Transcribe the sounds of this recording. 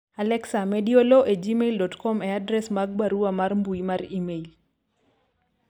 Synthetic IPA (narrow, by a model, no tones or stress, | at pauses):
alɛksamɛdioloʔed͡ʒimeildɔtkɔmeadɾɛsmaɡ̚baɾuamarmbuimaɾimeil